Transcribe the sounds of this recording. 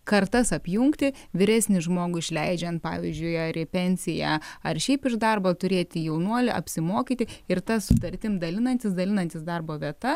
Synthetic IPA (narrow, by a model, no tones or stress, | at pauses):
kɐrt̪ɐsɐpʲjuŋkt̪ʲɪ | ʋʲɪɾʲæsʲnʲɪʒmoːɡʊɪʃʲlʲɛɪd͡ʒʲɛnt̪̚pɑ̰ːʋʲɪzʲd͡ʒʲʊɪɐɾɪpʲɛnʲsʲɪjɛɐrʃʲɛɪpɪʒd̪ɐrbɐt̪ʊɾʲeːt̪ʲɪjɛʊnuɔlʲɪʔɐ̰pʲsʲɪmoːkʲiːt̪ʲɪɪrt̪ɐsʊt̪ɐrʲt̪ʲɪmd̪ɐlʲɪnɐnʲt̪ʲɪsd̪ɐlʲɪnɐnʲt̪ʲɪsd̪ɑrboːʋʲiɛt̪ɐ